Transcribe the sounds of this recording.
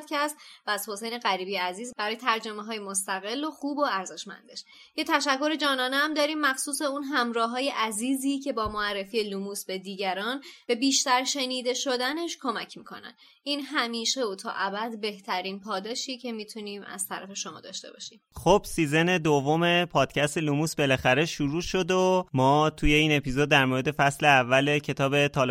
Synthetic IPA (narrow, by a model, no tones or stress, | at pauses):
d̪̥cʰæst̪væːz̥ho̞sejne̞ɣæɾiːbijeæziːzbæɾɒːjet̪ʰæɾd͡ʒo̞meɦɒːjemost̪æɣe̞lːoxuːbo̞æɾze̞ʃmæ̰nd̪e̞ʃ | jet̪ʰæʃækʰːo̞ɾe̞d͡ʒɒːnɒːneæmd̪ɒːɾiːmːæxsuːse̞unɦæmɾɒːɦɒːje̞ʔæziːziːcʰe̞bɒːmoærːe̞fiːelumuːsbe̞d̪iːɟæɾɒːnb̥e̞biːʃt̪æɾʃe̞niːd̪e̞ʃod̪æne̞ʃkʰo̞mæcʰmiːkʰo̞̰næ̰n | ʔiːnɦæmiːʃeot̪ʰɒ̰ːʔæbæd̪be̞ht̪ʰæɾiːnpʰɒːd̪ɒːʃicʰe̞mit̪ʰuniːmæ̰z̥t̪ʰæɾæ̰fe̞ʃo̞mɒ̰ːd̪ɒ̰ːʃt̪e̞̰bɒ̰ːʃiːmxob̥siːze̞ne̞d̪ovːome̞pʰɒːd̪̥̚cʰæst̪elumusbe̞læxæɾe̞ʃuɾuːʃo̞d̪omɒːt̪ʰuje̞iːne̞piːzod̪ːæɾmoːɾe̞d̪e̞fæsleævːælecʰe̞t̪ʰɒːbe̞t̪ʰɒːl